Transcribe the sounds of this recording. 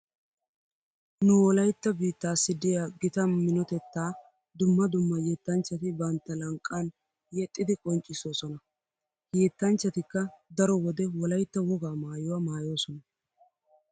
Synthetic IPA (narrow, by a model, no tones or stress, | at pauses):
nʊwɔlɐjt̪ːɐbiːt̪ːaːsːɪd̪ɪjaːɡɪt̪ɐmɪnɔt̪ɛt̪ːaː | d̪ʊmːɐd̪ʊmːɐjɛːt̪ːɐnt͡ʃːɐt̪ɪbɐnt̪ːɐlɐŋkʼːɐn | jɛt̪ʼːɪd̪ɪkʼɔnt͡ʃʼɪso̞ːsɔnɐ | jeːt̪ːɐnt͡ʃːɐt̪ɪkːɐd̪ɐɾɔwɔd̪ɛwɔlɐjt̪ːɐwɔɡaːmaːjʊwamaːjo̞ːsɔnɐ